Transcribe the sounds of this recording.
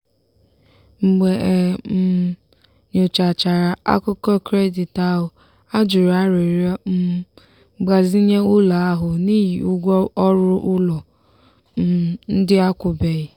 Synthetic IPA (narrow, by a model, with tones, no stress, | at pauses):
ŋ͡m̩˨ɡ͡be˨˦ | ɲo˨t͡ʃa˨t͡ʃa˨ɾa˨a̰˦kʊ˦kɔ˦kɾe˦di˨ta˦ɦʊ˨ | a˦d͡ʒʊ˨ɾa˦ɾe˨ɾ | ɡ͡ba˨zi˦ɲe˦ʊ˦la˨a˦ɦʊ˨ni˦ji˨u˦ɡʷɔ˦ɔ˦ɾʊ˦ɾʔʊ˦lɔ˨ | n̩˦dɪ˦a˦kʷʊ˨be˨ɣɪ˨